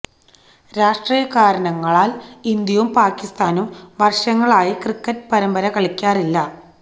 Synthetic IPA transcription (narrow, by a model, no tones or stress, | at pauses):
ɾaːʂʈriːjɐkaːɾɐɳɐŋːɐɭaːlind̪jɐʋumpaːkːist̪aːnumʋɐrʂɐŋːɐɭaːjikrɨkːɐtpɐɾɐmbɐɾɐkɐɭikʲːaːrilːɐ